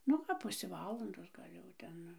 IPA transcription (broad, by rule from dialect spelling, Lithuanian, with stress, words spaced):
ˈnʊ ɐp ˈpʊsʲeː ˈʋɑːlˠɐndoːs ˈɡɐlʲ jɛʊ ˈtʲɛn